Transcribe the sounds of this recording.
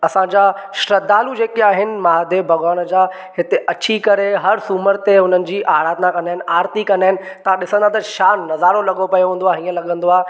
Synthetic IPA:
ɐsãd͡ʑaːʃɾɐd̪aːlud͡ʑeːkiaːɦɪnɪ̆maːd̪ʱebʱɐɠaːnəd͡ʑaː | hɪt̪eʔɐt͡ɕʰikɐɾeɦɐɾsuːməɾt̪eɦʊnənɪ̆d͡ʑiːʔaːɾaːd̪nakɐnaːɦɪnɪ̆ʔaːɾt̪ikɐnaːɪnɪ̆t̪ɐʋ̤ãɗɪsə̃nd̪ãt̪ɐʃaːnːɐzaːɾolɐɠopɐjoɦũːnd̪oaːɦɦĩːə̃lɐɠə̃nd̪oaːe

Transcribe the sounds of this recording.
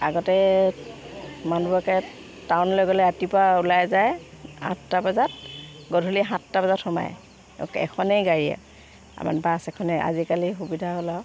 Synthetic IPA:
a̰ɡɔtɛ | manubakɛ | tawnlɔjɡɔlɛatipaulajzaj | ã̰tːabazat̚ɡɔdʱuliɦãtːabazatʰɔma̰j | kɛ̰kʰɔnɛjɡaɹija̰ | a̰ma̰nbasɛkʰɔnɛa̰zikalixubidʱaɦolaw

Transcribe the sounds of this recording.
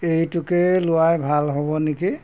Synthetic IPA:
ejtʊkɛlʊwajbʱalɦɔbɔniki

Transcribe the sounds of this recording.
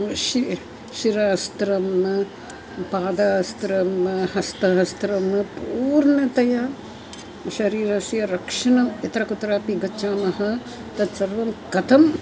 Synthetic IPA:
ʃi | ʃiɾaːst̪ɾɐm | paːd̪aːst̪ɾɐmhɐst̪ɐɦɐst̪ɾɐmpuːɾɳɐt̪ɐjɐ | ʃɐɾiːɾɐsjɐɾɐkʂɐɳɐmit̪ɾɐkut̪ːɾaːpiɡɐtːt͡ʃaːmɐɦɐ̆ | t̪ɐt̪sɐɾʋɐmkɐt̪ʰɐm

